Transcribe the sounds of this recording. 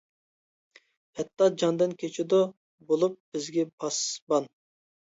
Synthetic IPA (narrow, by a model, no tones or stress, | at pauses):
hɛt̪ːɑd͡ʒɑnd̪ɨnkʲʰet͡ʃʰɪd̪u | bolˠup̚b̥ɪzɡʲɛpʰɑsbɑn